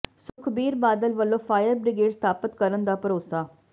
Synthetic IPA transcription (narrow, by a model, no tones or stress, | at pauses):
sʊkʰbiːɾbaːd̪əlʋəlːõːpʰaːjəɾbɾɪɡeːɖst̪ʰaːpət̪kəɾənd̪aːpəɾoːsaː